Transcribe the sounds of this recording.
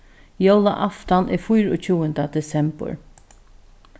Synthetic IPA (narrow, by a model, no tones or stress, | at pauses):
jowla̰ʔaft̪anʔɛfʊjɾɔ̰ːt͡ʃʰuːənd̪ad̪ɛsɛmbə̰ɹ